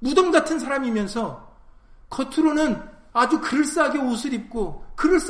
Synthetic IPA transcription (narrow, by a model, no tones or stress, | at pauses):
mudʌmɡatʰɯns̬ʰaɾamimjʌnsʰʌ | kʌtʰɯɾonɯn | ad͡ʑukɯɾɯɭs͈aaɡeosʰɯɾip̚k͈okɯɾɯɭs͈